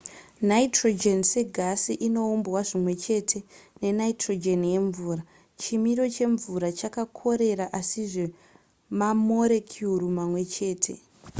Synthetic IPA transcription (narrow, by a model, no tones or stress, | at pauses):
naitrod͡ʒenseɡʱasiʔino̞umbwaʐimwe̞t͡ʃe̞ːtʰe̞ne̞naitro̞d͡ʒe̞nje̞ɱvuːra | t͡ʃimiɾo̞t͡ʃe̞ɱvuɾat͡ʃakakʰo̞ɾe̞ɾaʔasiʐe̞ | mamo̞ɾe̞kʰjurumamwe̞t͡ʃe̞ːtʰe̞̰